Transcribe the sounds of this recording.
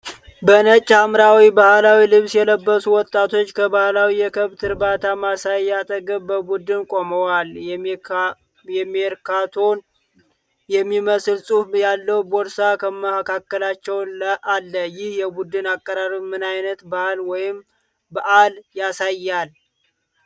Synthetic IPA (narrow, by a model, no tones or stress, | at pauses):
bənət͡ʃʼːamɾawibahlawilɨβsjɛləbːəsuwɔt̪ʼːat̪ʰo̞t͡ʃːkʰəbahlawijɛkʰəβt̪ʰɨɾbat̪ʰamasajːat̪ʰʼəɡəβbəbud̪ɨnkʼoməwal | jɛmːeɾkʰat̪ʰon | jɛmːiməsɨlsʼufjalːəwboɾsakʰəməkʰakːəlat͡ʃːɛwnləʔalːəjɪhjɛbud̪ɨnakʼːəɾaɾimːɨnajnət̪bahalwɔjɪm | baʔaljasajːal